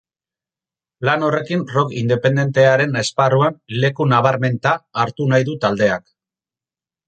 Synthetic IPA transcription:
lano̞re̞kinro̞kind̪e̞pe̞nd̪e̞nt̪e̞aɾe̞ne̞sparuanle̞kunaβaɾme̞nt̪aːɾt̪unajðut̪ald̪e̞ak

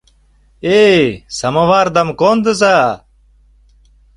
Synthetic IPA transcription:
eːsɐmɐʋaːɾd̪ɐmkoːnd̪əs̬a

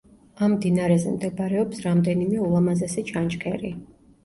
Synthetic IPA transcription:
amːd̪inaɾɛzɛmd̪ɛbaɾɛɔpsɾamd̪ɛnimɛulˠamazasɛt͡ʃʰant͡ʃkʰɛɾi

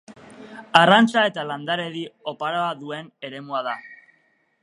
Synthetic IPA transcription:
arant͡sae̞t̪aland̪aɾe̞ðio̞paɾoaðue̞ne̞ɾe̞muaða

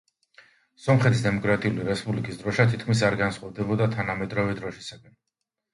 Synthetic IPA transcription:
sɔmχɛt̪ʰisd̪ɛmɔkʼɾat̪ʼiuliɾɛspʼublikʼisd̪ɾɔʃat̪ʰit̪̚ʰkʰmis̬aɾɡansχʼɔvd̪ɛbɔd̪at̪ʰanamɛd̪ɾɔvɛd̪ɾɔʃisaɡan

